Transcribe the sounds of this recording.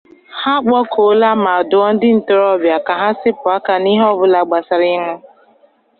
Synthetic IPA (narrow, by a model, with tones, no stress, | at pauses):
ha˦k͡pɔ˦kʰo˨˦la˦ma˨dʊ˨ɔ˦n̩˦dɪ˦n̩˨tʊ˨ɾɔ˦bja˨ka˨ɦa˦sɪ˦pʊ˨a˦ka˨ni˦ɦɔ˦˨bʊ˦la˨ɡ͡ba˨sa˨ɾɪ˦ŋʊ˦